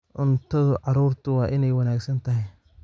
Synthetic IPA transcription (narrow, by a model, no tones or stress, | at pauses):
ʔʊnt̪ʰɐðʊʕɑɾuːrt̪ʰʊwɑːʔɪnɛjwɑnaːɡsɐnt̪ʰɐɦɛj